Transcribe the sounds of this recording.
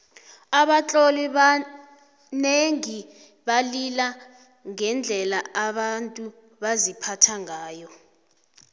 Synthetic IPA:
aɓat͡ɬʼɔliɓa | neŋi | ɓalila | ŋɛnd͡ɮʱɛlaaɓantʼu | ɓazipʰatʰaŋʱaːjɔ

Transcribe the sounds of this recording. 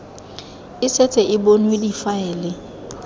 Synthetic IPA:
ɪsɛt͡sʼɛʔɪbonwedifaɛːlɪ

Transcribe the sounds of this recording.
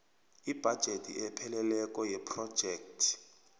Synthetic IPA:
ib̥ʱad̥ʒ̥ʱetʰʼḭɛpʰɛlɛlɛkʼɔjɛpʰrɔd̥ʒ̥ʱɛːk̚tʰ

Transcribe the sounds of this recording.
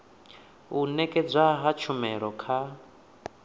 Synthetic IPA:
unɛkʼɛd͡zʷaɦat͡ʃʰumɛɺɔkʰa

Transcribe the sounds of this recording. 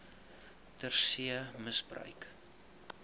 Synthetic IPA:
tərsiəməsbrœ̰ɥk

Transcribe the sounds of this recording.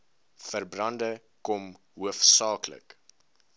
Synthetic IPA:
fərbrɐndə | kɔm | ɦuəfsɑːklə̰k

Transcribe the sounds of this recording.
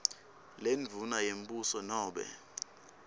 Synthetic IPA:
lenvʱunajem̩busɔnɔːɓɛ̰

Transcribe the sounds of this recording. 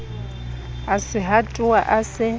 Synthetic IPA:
asɪɦatʼʊaʔasɪ

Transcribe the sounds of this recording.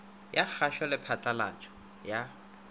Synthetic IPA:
jak͡xʰaʃalɪpʰatʼala̰t͡ʃʼɔ̥ | ja

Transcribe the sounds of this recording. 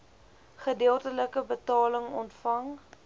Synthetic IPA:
χədeəlˠtələkəbətɑːləŋɔntfɐŋ

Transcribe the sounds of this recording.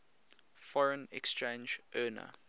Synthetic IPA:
fɔɹə̃nɛ̰kst͡ʃẽːnd͡ʒʔɜːnə̰

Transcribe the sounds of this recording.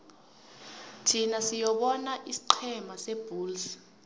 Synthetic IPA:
tʰinasijɔɓɔnaʔisi̥ǃʰɛmasɛb̥ʱuːls

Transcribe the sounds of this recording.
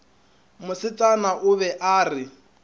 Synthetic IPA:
mʊsɪt͡sʼanaʔʊβɛʔaːrɪ

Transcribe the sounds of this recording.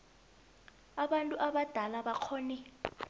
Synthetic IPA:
aɓantʼuʔaɓad̥ʱalaɓaq͡χʰɔːni

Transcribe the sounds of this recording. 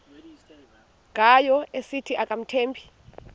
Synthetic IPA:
kʼajɔesitʰiʔakʼam̩tʰeːmpʰi̥

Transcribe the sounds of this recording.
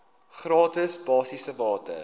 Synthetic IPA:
χrɑːtəsbɑːsisəbɑːtə̰

